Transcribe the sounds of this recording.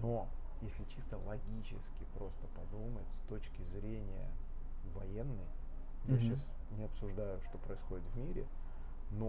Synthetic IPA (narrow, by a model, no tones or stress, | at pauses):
no | jesʲlʲɪt͡ɕist̪əlˠɐɡʲit͡ɕɪskʲɪpɾo̞st̪əpɐd̪umətʲst̪o̞t͡ɕkʲɪzɾʲenʲɪjə̰ | vɐjenːɨj | jaɕːas | nʲɪɐpsʊʐd̪ajʊʂt̪o̞pɾəɪsxo̞dʲɪt̪vmʲiɾʲɪ̰ | no